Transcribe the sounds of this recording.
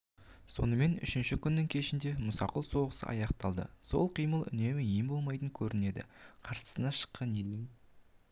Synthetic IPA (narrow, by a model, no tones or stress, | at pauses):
so̞̰nəme̞nʏ̰ʃɪnʃɪkʲʰʏnːɪŋkʲʰe̞ʃɪnd̪e̞mʊsɑqəlˠso̞ʁəsə̰ʔɑ̰jɑq̚t̪ɑlˠd̪ə̰so̞̰lˠqʰijməlˠʏ̰ne̞mɪɪjɪmbo̞lˠmɑjt̪əŋkʲʰɵɾɪne̞d̪ɪ̰qʰɑɾsə̥sənɑʃə̥qːɑne̞ld̪ɪŋ